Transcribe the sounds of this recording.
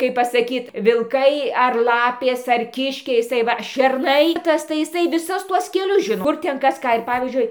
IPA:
kɐɪp pɐsɐˈkʲiːt ʋʲɪlˠˈkɐɪ ɐr ˈlˠɑːpʲeːs ɐr ˈkʲɪʃʲkʲɛɪ jɪˈsɐɪ ˈʋɐ ʃʲɛrˈnɐɪ ˈtɐs tɐɪ ɪˈsɐɪ ʋʲɪˈsʊs ˈtuɔs kʲɛˈlʲʊs ˈʒʲɪnoː ˈkʊr ˈtʲɛn ˈkɐs ˈkɑː ɪr ˈpɑːʋʲiːzʲd͡ʒʲʊɪ

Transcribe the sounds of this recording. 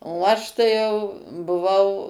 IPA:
oː ˈɐʃ tɐɪ jɛʊ bʊˈʋɐʊ

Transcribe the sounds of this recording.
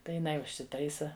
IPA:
tɐɪ jɪˈnɐɪ ʊʃʲsʲɪˈtɐɪsɐ

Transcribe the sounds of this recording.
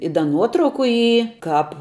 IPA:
ɪ ˈdɐ ˈnuɔtrɐʊkʊ ˈiː ˈkɑːp

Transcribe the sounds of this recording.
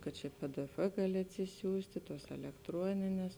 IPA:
kɐt ˈt͡ʃʲɛ ptf ˈɡɑːlʲɪ ɐtʲsʲɪˈsʲuːsʲtʲɪ ˈtuɔs ɛlʲɛktˈruɔnʲɪnʲɛs

